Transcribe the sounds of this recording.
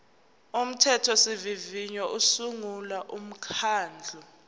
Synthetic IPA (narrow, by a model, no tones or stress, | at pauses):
um̩tʰɛtʰɔsiviviɲɔʔusuŋulaʔum̩kʰaːnd͡ɮʱɔ